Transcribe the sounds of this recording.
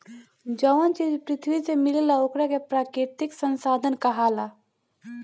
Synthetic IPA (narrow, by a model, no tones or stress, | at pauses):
d͡ʒəʋənt͡ʃiːd͡ʒpɾɪt̪ʰwisemɪllaokɾakepɾaːkɾɪt̪ɪksə̃nsaːd̪ʱənkaɦaːla